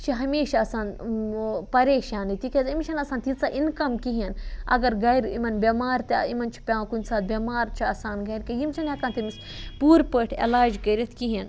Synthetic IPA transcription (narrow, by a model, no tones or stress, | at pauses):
t͡ʃʰiɦɐmeːʃaɐsaːn | pɐɾeːʃaːnit̪ikʲezimt͡ʃʰɐnɐsaːnt̪ʰit͡saʔinkɐmkiɦinɐ̰ɡɐɾɡɐjɾḭmɐnbʲemaːɾt̪eimɐnt͡ʃʰi̥pʲãːkunʲsaːd̪̚bʲemaːɾt͡ʃʰiɐsaːnɡɐjɾkɐjimt͡ʃʰɐnɐkaːnt̪imis | puːɾpəʈʰḛlaːd͡ʒkɐɾʲɐt̪ʰkiɦen